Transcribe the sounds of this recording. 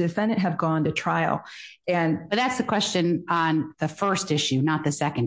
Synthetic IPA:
dɨfɛ̃ndɨ̃nʔ̚ɦɨvɡɔ̃ntɨtʰɹ̥aɪ̰l̩ˠ | ɨ̃nʌt̪̚ðætsðɨkʰw̥ɛst͡ʃɨ̃nə̃nðɨfɜ˞stɪʃʉnət̪̚ðɨsɛkɨ̃n

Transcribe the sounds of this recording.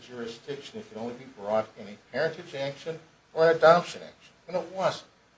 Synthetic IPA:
d͡ʒʊɹɨsd̥ɪkʃɨ̃nɨt̚kʰɨ̃nõʊ̃libibɹɔɾɨ̃nɨ̃pʰɛɹɨ̃ntɨd͡ʒækʃɨ̃n | ʔə˞ɨnɨdɑpʃɨ̃næ̰kʃn̩ɨ̃nət̚wʌz̥̩t̚

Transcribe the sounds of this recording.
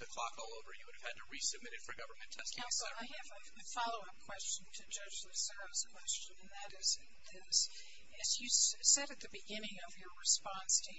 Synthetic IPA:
ðɨkʰl̥ɑkɔlˠoʊvə˞jɨwʊɾɨv̥ɨd̚tʰɨɹisɨb̚mɪɾɨtfə˞ɡʌvə˞mɨ̃ntʰɛsãsl̩ˠaɪɨvɨ | ɨfɑlˠoʊʌp̚kʰw̥ɛst͡ʃn̩tʰɨd͡ʒʌd͡ʒðɨsɜ˞z̥kʰw̥ɛst͡ʃɨ̃nɨ̃nðɨɾɪz | ðɪs | ɨzjɨssɛɾɨt̪̚ðɨbɨɡɪ̃nɪ̃ŋʌvjə˞ɹɨspɑ̃nstʰɨ

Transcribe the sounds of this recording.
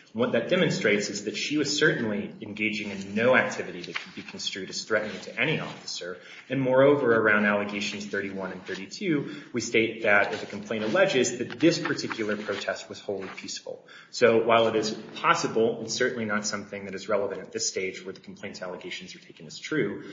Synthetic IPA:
wʌt̪̚ðɨt̚d̥ɛmɨ̃nstɹ̥eɪtsɨzðɨtʃiwʌz̥sɜ˞ʔn̩liɨ̃nɡeɪd͡ʒɪ̃ŋɨ̃nːoʊæk̚tʰɪvɨɾiðɨt̚kʰɨd̚bikʰn̩stɹ̥ʉɾɨz̥θɹɛʔnɪ̃ŋ̃tʰɨʔɛɾ̃iɔ̰fəsə˞ | ɨ̃nmɔɹoʊvə˞ə˞ãʊ̃ndælˠəɡeɪʃn̩z̥θɜ˞ɾiwʌ̃nɨ̃nθɜ˞ɾitʰʉwisteɪt̪̚ðɨɾɨzɨkʰm̩pʰl̥ẽɪ̃ɾ̃əlɛd͡ʒɪzðɨt̪̚ðɪspʰə˞tʰɪkʰjl̩ˠə˞pʰɹ̥oʊtʰɛst̚wʌz̥hoʊlˠipʰisfl̩ˠ | soʊwaɪlˠəɾɪz̥pʰɑsəbl̩ˠɨ̃nsɜ˞ʔn̩linətsʌ̃mθɪ̃ŋðɨɾɨzɹɛlˠəvɨ̃ñtɨt̪̚ðɪsteɪd͡ʒwə˞ðɨkʰm̩pʰl̥ẽɪ̃ntʰsælˠəɡeɪʃn̩zə˞tʰeɪkɨ̃nɨz̥tʰɹ̥ʉ

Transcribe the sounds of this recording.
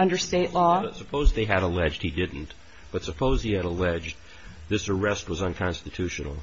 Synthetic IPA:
ʌ̃ndə˞steɪʔlɔsəpʰoʊzðeɪɨɾəlɛd͡ʒd̚hidɪdⁿn̩t | b̥ʌtsəpʰoʊziɨɾəlɛd͡ʒd | ðɪsə˞ɛst̚wʌzə̃nkʰɑ̃nstɨtʰʉʃɨnl̩ˠ

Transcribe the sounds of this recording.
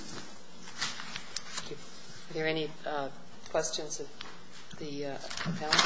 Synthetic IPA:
ðə˞ɛni | kʰw̥ɛst͡ʃɨ̃nzɨ | ðɨ | əpʰãʊ̃

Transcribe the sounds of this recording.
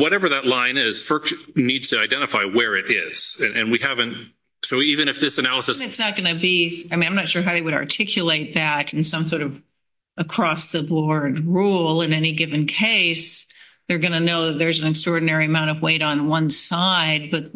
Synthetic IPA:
wʌɾɛvə˞ðətˡlãɪ̃nɪz̥fɜ˞knidz̥tʰɨaɪdɛ̃ɾ̃ɨfaɪwə˞ɪɾɪ̰z̥ɨ̃ʔɨ̃nwihævɨ̃nt̚ | soʊivɨ̃nɨfðɪsɨnælˠəsɨsɨtsnət̚ɡ̥ʌnɨbiaɪmĩnãɪ̃mnɨtʃʊɹɦaʊðeɪwɨɾɑ̰˞tʰɪkʰjɨleɪt̪̚ðɨɾɨ̃n̩sʌ̃msɔɹɾʌv | əkʰɹ̥ɔsðɨbɔɹd̚ɹulˠɪ̃nɛniɡɪvɨ̃nkʰeɪs | ðə˞ɡʌñɨnoʊðɨt̪̚ðə˞zn̩ɨkstɹ̥ɔɹdⁿn̩ɛɹiɨmãʊ̃ñtʌvweɪɾn̩wʌ̃nsaɪd̚bʌt̪̚

